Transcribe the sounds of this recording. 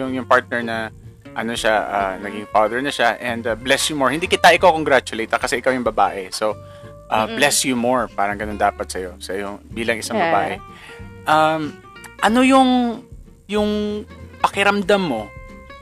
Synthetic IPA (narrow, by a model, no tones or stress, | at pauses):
jʊŋjʊŋpaɹt̪̚nɛɹnɐ | ʔɐno̞ʃaʔɐ̰nɐɡɪŋfaːðɛɹnɐʃaʔɛnd̪ɐblɛsjʊmɔɹhɪnd̪ikɪt̪aʔɪkokoŋɡɾat͡ʃʊlejt̪ːɐkɐsɛʔɪkawjʊŋbɐba̰ːʔɛso | ʔɐblɛsjʊmoɹpaːɾɐŋɡɐnond̪aːpɐt̪sɐjo̞sɐjobiːlɐŋʔɪsaŋbɐba̰ːʔɛ | ʔɐm | ʔɐno̞jʊŋ | jʊŋpɐkɪɾɐmd̪amːo̞